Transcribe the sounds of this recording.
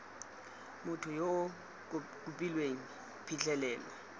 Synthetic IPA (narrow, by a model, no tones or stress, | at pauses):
mʊtʰʊjo | kʼupʼilweŋ̩ | pʰit͡ɬʰʼɛlɛːla